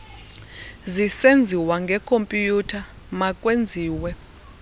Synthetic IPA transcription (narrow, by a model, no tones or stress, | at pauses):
zisend͡zʱiwaŋɡʱɛkʰompʼjutʰa | makʼwend͡zʱiːwɛ